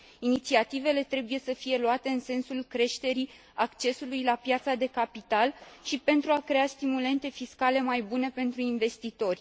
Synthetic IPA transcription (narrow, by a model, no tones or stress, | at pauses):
init̪siat̪ive̞le̞t̪ɾe̞buje̞səfije̞luat̪e̞ɨnse̞nsulkɾe̞ʃt̪e̞ɾi | akt͡ʃe̞sulujlapjat̪sad̪e̞kapit̪alʃipe̞nt̪ɾuakɾe̞ast̪imule̞nt̪e̞fiskale̞majbune̞pe̞nt̪ɾuinve̞st̪it̪o̞rʲ